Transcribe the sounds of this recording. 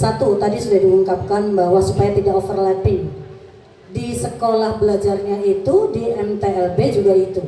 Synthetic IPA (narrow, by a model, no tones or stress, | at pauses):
sat̪ut̪adisudahdiuŋkap̚kanbahwasupajat̪idakofərlapɪŋ | disəkolahbəlad͡ʒarɲait̪udiʔɛmt̪eɛlbed͡ʒuɡait̪u